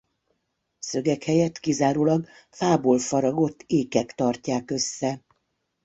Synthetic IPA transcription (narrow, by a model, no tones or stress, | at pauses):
sø̞ɡɛkhɛjɛt̪kizaːɾoːlɒɡ | faːboːlfɒɾɒɡo̞t̪ːeːkɛkt̪ɒrcaːkø̞sːɛ